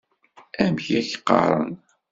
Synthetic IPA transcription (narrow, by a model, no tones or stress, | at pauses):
æmçæçə̥qːɑ̰ɾˤə̰n